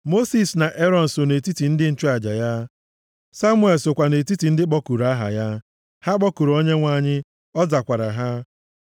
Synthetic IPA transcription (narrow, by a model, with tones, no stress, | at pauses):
mo˦si˨sna˨ʔe˦ɾɔ˨n̩˨so˨ne˨ti˦ti˨n̩˦dɪ˦n̩˦t͡ʃu˦a˨d͡ʒa˨ja˦ | sa˦mʊ˦e˨lsʊ˨kʷa˨ne˨ti˦ti˨n̩˦dɪ˦k͡pɔ˦ku˨ɾa˦ɦa̰˨ja˦ | ha˦k͡pɔ˦ku˨ɾo˦ɲe˦ŋʷa˦ɲɪ˦ | ɔ˦za˨kʷa˨ɾa̰˨ɦa˦